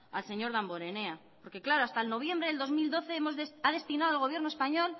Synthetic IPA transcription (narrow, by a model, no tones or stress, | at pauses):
alse̞ɲo̞ɾðamboɾe̞ne̞a | po̞ɾke̞klaɾoast̪aelno̞βje̞mbɾe̞ðeld̪o̞zmild̪o̞θe̞emo̞zðesaðe̞st̪inaðalɣ̞o̞βje̞ɾnoespaɲo̞l